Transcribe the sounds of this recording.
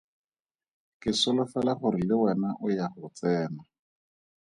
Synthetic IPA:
kɪsʊlʊfɛlaχʊrilɪwɛnaʔʊjaχʊt͡sɛːna

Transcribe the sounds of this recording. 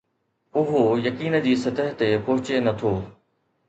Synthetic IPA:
ʊɦojɐkiːn̆d͡ʑiːsɐt̪əɦt̪epɔɦɪt͡ɕenɐt̪ʰoː

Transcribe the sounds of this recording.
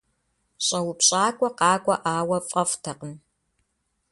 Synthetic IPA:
ɕʼɐwʊpɕʼaːkʷʼɔqɑːkʷʼɔʔaːwɐfʼɐftʰɐqən

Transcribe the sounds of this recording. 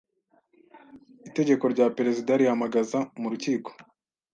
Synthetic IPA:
ite̞ɟe̞ko̞ɾɟaːpeɾe̞zidaɾihamaɡazamuɾuciːko̥

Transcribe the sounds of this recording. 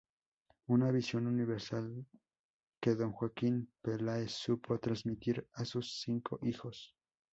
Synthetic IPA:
unaβisjo̞nuniβe̞ɾsal | ke̞ðo̞ŋxwakinpelaesupʰo̞t̪ɾazmit̪iɾasusːiŋkʰo̞ʔixo̞s

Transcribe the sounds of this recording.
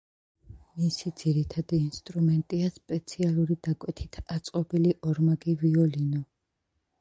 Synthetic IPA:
misid̪z̥iɾit̪ʰad̪iːnst̪ʼɾumɛnt̪ʼiaspʼɛt̪sʰialˠuɾid̪akʼwɛt̪ʰit̪ʰat̪sʼqʼɔbiliʔɔɾmaɡiviɔlinɔ

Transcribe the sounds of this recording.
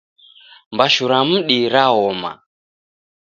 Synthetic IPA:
mbaʃuɾam̩ɗiɾaɦɔma̰

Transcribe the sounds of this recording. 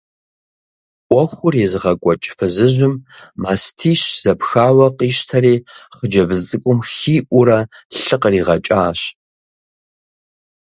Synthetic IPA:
ʔʷɔxʷʊreːzɨʁɐkʷʼɔt͡ʃʼɪ̥fɨzɨʒʷʊmmaːstʰiːɕz̥ɐpxaːwɐqiːʃtʰɐɾeːχəd͡ʒɐbɨzt͡sʼɨkʷʼʊmxiːʔʷʊɾɐɬɨqəriːʁɐt͡ʃʼaːɕ

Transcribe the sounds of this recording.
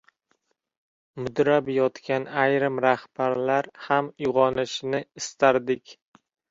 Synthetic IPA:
mʊd̪ɾabjɒt̪kʲʰanajɾɪmɾahb̥aɾlaɾhamjʊʁɒnɪʃnɪɪst̪ʰaɾd̪ɪkʲ

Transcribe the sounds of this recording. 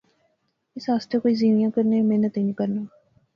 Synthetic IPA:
ɪsɦaːst̪eːkoːiːziːmɪjãːkəɾneːmeːnət̪ɦiːnĩːkəɾnaː

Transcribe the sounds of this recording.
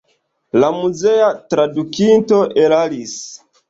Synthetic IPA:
lamuzeatɾadukinto̞ʔelalis

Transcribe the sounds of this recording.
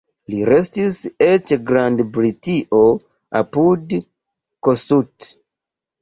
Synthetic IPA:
liɾestiset͡ʃɡɾandbɾitiʔo | a̰pud | kosut

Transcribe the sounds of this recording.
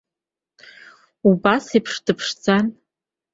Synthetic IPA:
ubasipʰʂdɨpʰʂt͡sʰan

